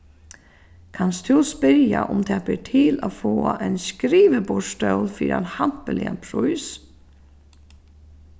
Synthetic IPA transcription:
kʰanst̪ʰuspɪɾja̰ʔʊmt̪ʰɛːbɪʈʰɪːlaːfoːaʔɛɪnskɾiːʋəbʊʂt̪œwlfiːɾanhan̥pəlɪa̰npʰɾʊjs

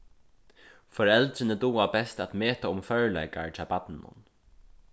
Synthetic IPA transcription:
fɔɹɛlt̪ɾɪnəd̪uːabɛst̪at̪meːt̪aʊmfœɹlɛ̰jka̰ɹt̪ʰɪaːpat̪nɪnːʊ̰n

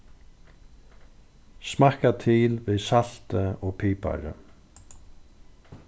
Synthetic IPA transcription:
smahkat̪ʰɪlvɪðsal̥t̪ɪɔɣpʰiːpa̰ɾɪ̰

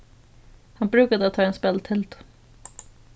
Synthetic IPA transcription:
hanbɾʉ̟ːkad̪əat̪ʰːɑːɛnspɛlt̪ʰɛlt̪ʊ̥

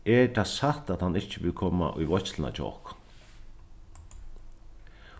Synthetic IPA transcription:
ɛɹt̪ʰaːsat̪at̪hanːɪht͡ʃːɪvɪlkʰɔːma̰ʔʊ̰jvɔt͡ʃləna̰t͡ʃɔ̰ːk

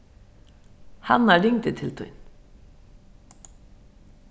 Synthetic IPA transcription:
ha̰naɾɪŋt̪ɪt̪ʰɪlt̪ʰʊ̰jn

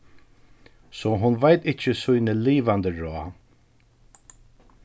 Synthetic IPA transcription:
sɔɦʊnʋajt̪ɪt͡ʃəsʊjnəliːʋand̪əɹɔː

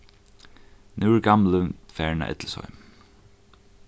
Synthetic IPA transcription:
nʉːɹɡɑmlənfæːɹɳa̰ʔɪ̰t̪ləsɔ̰ʏm

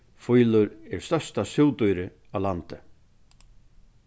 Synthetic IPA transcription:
fujlʏɾɛɾ̥st̪œ̥st̪asɪwt̪ujɾɪ | alant̪ɪ

